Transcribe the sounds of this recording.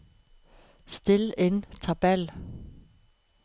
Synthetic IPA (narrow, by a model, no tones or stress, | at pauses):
sd̥e̝le̝nt͡sʰɑb̥æl